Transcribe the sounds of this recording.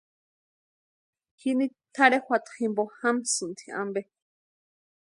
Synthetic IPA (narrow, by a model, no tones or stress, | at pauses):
kinit̪ʰaɾexʷwʷat̪ximbohamsɨnt̪ʰi̥a̰mbe